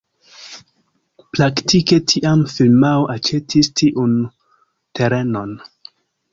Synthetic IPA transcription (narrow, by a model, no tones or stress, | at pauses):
plaktʰike̞tʰiʔamfilmaoʔat͡ʃe̞tʰistʰiʔun | tʰe̞ɾe̞no̞n